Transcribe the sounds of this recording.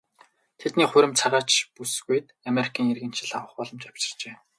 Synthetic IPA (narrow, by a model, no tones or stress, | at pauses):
t̪ʰet̪niːχʊɾʲɪ̆mt͡sʰaʁaːt͡ɕpusɣujt̪ameɾikʰiːŋerɣɘ̆nʃɪ̆ɮawə̆χpɔɮɞ̆mt͡ɕaw̥t͡ɕɪ̥̆rt͡ɕeː